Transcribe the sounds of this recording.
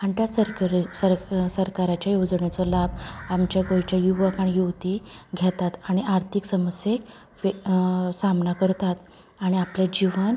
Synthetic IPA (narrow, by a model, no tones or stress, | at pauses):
aɳʈ̪jasəɾksəɾsəɾkaɾat͡ɕjajod͡zɳjat͡sɔlabamt͡ɕjakojt͡ɕjajuʋəkaɳijuʋt̪iɡʱjɛt̪at̪aɽ̃iʔaɾt̪ʰiksəməsjek | samnakəɾt̪at̪ | aɽ̃iapljad͡ʑiʋən